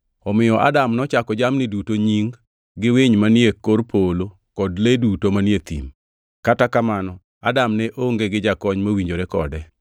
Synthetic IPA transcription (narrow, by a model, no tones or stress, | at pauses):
ɔmɪjɔʔa̰damnɔt͡ʃakɔd͡ʒamnɪdutoɲiŋ | ɡɪweɲmanjekːorpʰolo | kɔdledutomanjet̪ḭm | katakamanɔ | adamnɛʔoŋɡeɡɪd͡ʒakɔɲmawiɲd͡ʒoɾekɔ̰dɛ